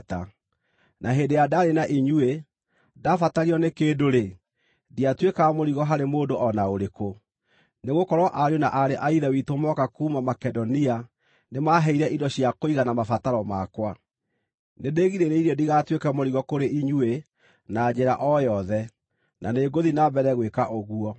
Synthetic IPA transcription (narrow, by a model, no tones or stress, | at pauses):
ta | nʔaɦeːndejadaɾenaʔiɲue | dafataɾiɔnekeːdoɾe | diatwekamoɾiɣɔɦaɾemoːdoʔɔnaoɾeko | neɣokɔɾwɔʔaɾjonaʔaɾeʔaiðawitomɔkakuːmamakɛdɔnia | nemaːɦɛiɾɛʔidɔɕiakoiɣanamafataɾɔmakwa | nedeːɣiɾeɾeiɾɛdiɣatwekamoɾiɣɔkoɾeʔiɲue | nad͡ʑeɾaʔɔjɔðɛ | naneːɡoðinabɛɾɛɣwekaʔoɣuɔ